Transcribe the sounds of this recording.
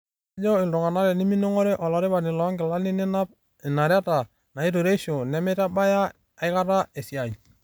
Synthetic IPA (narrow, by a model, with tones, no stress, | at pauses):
d͡ʒɔ˦ɪ˨ldɔ˨ŋa˨na˦ɾɛ˨ni˦mi˦no˦ŋɔ˦ɾe˦ʔɔ˨lɔ˨ɾɪ˦ba˨nɪ˨lɔ˨˦ŋɡɪ˨la˦li˦nɪ˦na˦p̚ | ɪ˨na˨ɾa˦ta˨ | na˨i˦to˨ɾe˦ʃo˨nɛ˨˦mɛ˦ta˦ba˦jaː˦˨ | ɪ˦ka˦ɾa˦e˨si˨a˨ɲ˨